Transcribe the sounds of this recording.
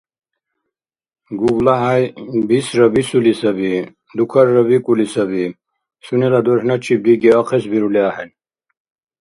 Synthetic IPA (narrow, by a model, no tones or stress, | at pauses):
ɡuɡlaɦajbisɾɐbisulisɐbi | d̪ukʰɐɾːɐβikulisɐbi | sunilad̪oɾhnɐt͡ɕʰib̚d̪ikiɐqʰesbiɾuliaɦen